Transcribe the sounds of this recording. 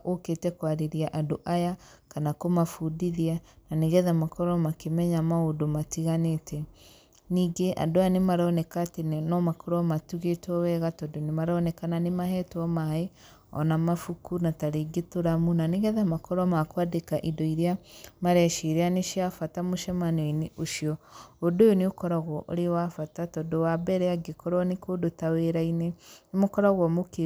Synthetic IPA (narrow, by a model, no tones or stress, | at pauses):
oketɛkwaɾeɾiaʔadoʔajakanakomafudiðiananeɣɛðamakɔɾɔmakemɛɲamaodomatiɣanetɛ | niːɡeʔa̰doanemaɾɔnɛkatennɔmakɔɾɔmatuɣetɔwɛɣatɔdonemaɾɔnɛkananemaɦɛtɔmae | ɔ̰namafukunataɾeɡetoɾamunaneɣɛðamakɔɾɔmakwadekaʔidɔiɾjamaɾɛʃeɾeaneʃiafatamoʃɛmanweneʔoʃiɔodojoneokɔɾaɣɔʔo̰ɾewafatatɔdowabɛɾɛaɡekɔɾɔnekodotaweɾainɛnemokɔɾaɣwɔmoke